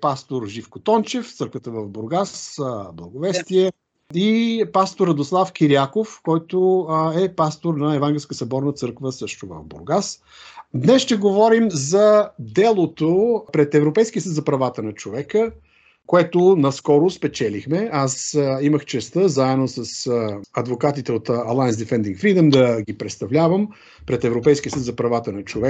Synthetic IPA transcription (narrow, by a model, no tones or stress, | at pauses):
past̪oɾʒifkot̪ɔnt͡ʃɛft̪sɤɾkvət̪əvəvbʊɾɡasblˠɐɡʊvɛst̪iɛ | ipast̪oɾːɐd̪oslˠafk̟iɾiakofkɔjt̪oɛpast̪oɾnɐɛvaŋɡʲɛlʲskəsɐbɔɾnət̪sɤɾkvəsɤʃt̪ʊvə̰vbʊ̰ɾɡas | d̪nɛsʃt̪ɛɡovɔɾimzɐd̪ɛlˠot̪opɾɛt̪ɛvɾopɛjskʲiəsət̪zɐpɾɐvat̪ənɐt͡ʃovɛkə | koɛt̪ʊnɐskɔɾʊspɛt͡ʃɛlixmɛasiməxt͡ʃɛst̪əzaɛnːosəsɐd̪vokat̪it̪ɛot̪ɐlˠajnzd̪ɛfɛnd̪iŋkfɾid̪əmd̪ɐɡipɾɛt̪st̪ɐvlʲavəm | pɾɛt̪ɛvɾopɛjskʲiəsət̪zɐpɾɐvat̪ənɐt͡ʃovɛ